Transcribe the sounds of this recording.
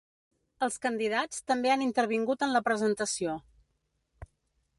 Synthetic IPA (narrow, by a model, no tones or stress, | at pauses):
əlˠskənd̪iðat͡st̪əmbeanint̪əɾβ̞iŋɡut̪ənləpɾəzənt̪əsio